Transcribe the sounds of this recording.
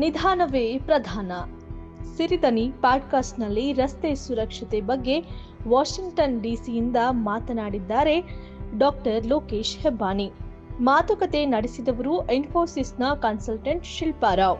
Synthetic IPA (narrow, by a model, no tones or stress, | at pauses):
nid̪ʱaːnɐʋeːpɾɐd̪ʱaːnɐ | siɾid̪ɐnipaːɖkaːsʈnɐlːiɾɐst̪esuɾɐkʂɐt̪ebɐɡːe̞ | ʋaːʃiŋɡʈɐnɖiːsijind̪ɐmaːt̪ɐnaːɽid̪ːaːɾe | ɖaːk̚ʈɐɾloːkeːʃhɛbːaːni | maːt̪ɔkɐt̪e̞nɐɽisid̪ɐʋɐɾuʔenpʰoːsisnɐkɐnsɐlʈɐɳʈʃilpaːɾaːw